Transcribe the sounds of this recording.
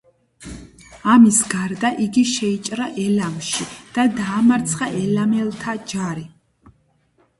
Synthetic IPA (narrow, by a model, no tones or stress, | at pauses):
amisɡaɾd̪aʔiɡiʃɛit͡ʃʼɾaʔɛlamʃid̪̥ad̪aːmaɾt̪sʰχaʔɛlamɛlˠt̪ʰad͡ʒaɾi